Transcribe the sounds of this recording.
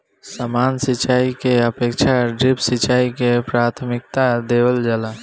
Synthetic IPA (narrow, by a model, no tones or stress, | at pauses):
samaːnsɪt͡ʃaːikeəpeːkʃʰaɖɾɪpsɪt͡ʃaːikepɾaːt̪ʰmɪk̚t̪ad̪eːwəld͡ʒəla